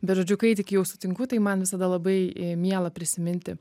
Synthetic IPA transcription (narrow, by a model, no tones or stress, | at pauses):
bʲɛt̪ʒoːd͡ʒʲʊkɐɪt̪ʲɪkʲɪjɛʊsʊt̪ʲɪŋkʊt̪ɐɪmɐnʋʲɪsɐd̪ɐlˠɐbɐɪmʲiɛlˠɐpʲɾʲɪsʲɪmʲɪnʲt̪ʲɪ